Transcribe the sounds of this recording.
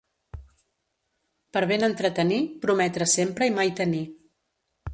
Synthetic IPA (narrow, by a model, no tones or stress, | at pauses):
pəɾβ̞enənt̪ɾət̪ənipɾumɛt̪ɾəsempɾəimajt̪əni